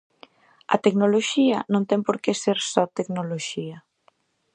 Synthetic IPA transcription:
ɐ̰t̪eknoloʃiɐnõnt̪ɛŋpoɾkeseɾsɔt̪eknoloʃiɐ

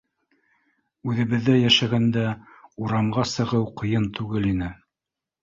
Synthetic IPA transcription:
ʉðɘ̆βɘ̆ðːæjæʃæɡænd̪æ | uɾɑmɢɑsɤ̆ʁɤwqɤ̆jɤnt̪ʉɡɘlinɘ

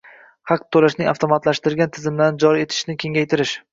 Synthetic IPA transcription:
hɑq̚t̪ʰːolaʃnɪŋaft̪ʰomat̪laʃt̪ɪɾɡʲant̪ʰɪzɪmland͡ʒɒɾie̞t̪ʰɪ̥ʃnɪkʲʰe̞ŋʲajt̪ʰɪɾɪʃ

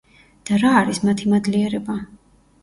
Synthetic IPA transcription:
d̪̥aɾaːɾismat̪ʰimad̪liɛɾɛba

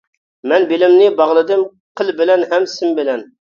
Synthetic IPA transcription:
mɛnbɪlɪmnɪbɑʁlˠɨd̪ɨm | qʰəlˠbɪlɛnɦɛmsɪmbɪlɛn

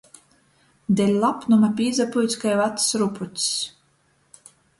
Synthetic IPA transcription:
d̪ʲɛlʲlˠapnumapʲiːzapujt̪sʲkajvat̪sɾuput̪ʲss

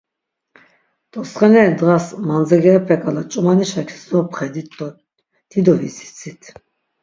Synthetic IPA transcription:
t̪ʼɔsχɛnɛd̪ʁasmand͡zɛɡɛɛpʰɛkʼalat͡ʃʼumaniʃakʰi̥sɔpʰχɛd̪it̪ʰʼːɔ | d̪̥id̪ɔvisi̥t͡sʰʼit̪ʰ

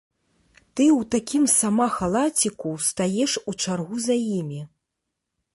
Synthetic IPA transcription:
t̪ɨwt̪akʲimsamaxalˠat͡sʲikust̪ajɛʂut͡ʂarɣuzajimʲi

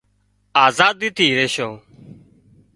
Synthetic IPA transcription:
aːzaːd̪iːt̪iːɾeːʃoː

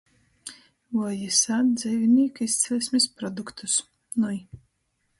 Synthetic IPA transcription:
vɔjisad̪d̪zɛjviniːkist̪sɛlʲsʲmispɾɔd̪ukt̪ʰus | nuj

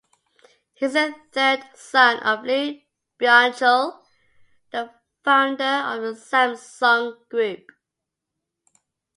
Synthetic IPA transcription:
hizəθɜd | sʌ̃nʔəvli | b̥ãnt͡ʃəlˠ | ðə | fãʊ̃ndəəvðəsæ̃msɔ̃ŋɡ̥ɹʉp̚

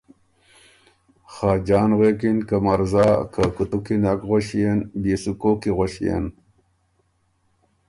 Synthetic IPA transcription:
xaːd͡ʑaːnʁekinkamaɾzaːkʰakut̪ukinakʁoɕijenbisukokiɣoɕijḛn

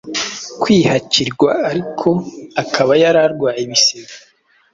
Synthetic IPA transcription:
kwiːhaciɾɡwaːɾikʰo̞akʰaβajaɾaɾɡwaːjiβiseɡa

